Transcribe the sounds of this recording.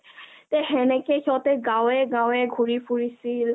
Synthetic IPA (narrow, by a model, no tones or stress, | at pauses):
tɛɦɛnɛkekʰiɔtɛɡãwɛɡãwɛɡʱuɹipuɹisil